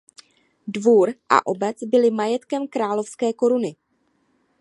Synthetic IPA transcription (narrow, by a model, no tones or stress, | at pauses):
dvuːɾʔa̰ʔo̞bɛt͡sbɪlɪmajɛt̪kɛmkɾaːlo̞fskɛːko̞ɾunɪ